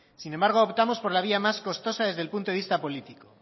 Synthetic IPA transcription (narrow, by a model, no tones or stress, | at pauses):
sine̞mbaɾɣ̞oopt̪amo̞spo̞ɾlaβ̞iamasko̞st̪o̞sað̞e̞zðelpunt̪oist̪apo̞lit̪iko